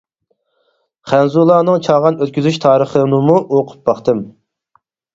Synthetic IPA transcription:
χænzulˠɑːnɨŋt͡ʃʰɑːʁɑnøt̪̚ʲkʲyzyʃt̪ʰɑːɾəχənɨmuʔoqʰʊ̥p̚bɑχt̪ɨm

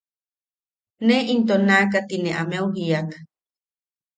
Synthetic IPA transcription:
neʔint̪̬onakat̪ineʔameuɦiak

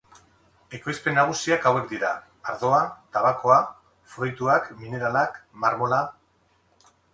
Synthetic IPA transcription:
e̞ko̞jspe̞nːaɣ̞usiakawe̞kd̪iɾaː | ɾðo̞at̪aβako̞a | fɾojt̪uakmine̞ɾalakmaɾmo̞la

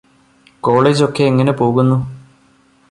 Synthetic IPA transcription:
ko̞ːɭeːd͡ʑo̞kːe̞ːŋːɐne̞po̞ːɣunːu

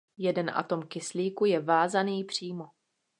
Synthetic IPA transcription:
jɛdɛnʔa̰t̪o̞mkɪsliːkujɛvaːzaniːpr̝̥iːmo

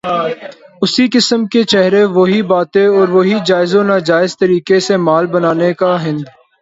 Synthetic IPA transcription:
ʊsikɪsəmket͡ʃɛɦɾeʋoɦibaːt̪ẽɔːɾʋoɦid͡ʒaːɪzõnaːd͡ʒaːɪzt̪əɾiːkesemaːlbənaːnekaɦɪ̃nd̪

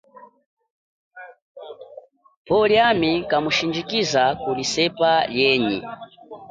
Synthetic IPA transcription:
pɔljamikamuʃind͡ʒikizakulisɛpaljɛɲḭ

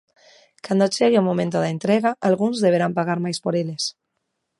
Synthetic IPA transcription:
kand̪ot͡ʃeɣeomomẽnt̪oðaent̪ɾeɣaʔalɣunzðeβ̞eɾampaɣ̞aɾmajspoɾeles

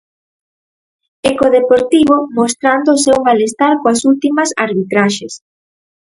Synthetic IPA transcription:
ekoðepoɾt̪iβ̞omost̪ɾand̪oːsewmalest̪aɾkoasult̪imɐsa̰ɾβit̪ɾaʃes

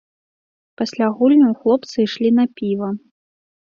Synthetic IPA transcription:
pɐsʲlʲaɣulʲnʲɐwxlˠɔpt̪sɨiʂlʲinɐpʲivɐ

